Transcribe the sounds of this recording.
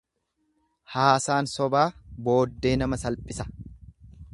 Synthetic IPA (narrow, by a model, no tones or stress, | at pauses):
haːsaːnsɔbaːbo̞ːd̪ːe̞ːnɐmɐsɐlpʼɪsɐ̥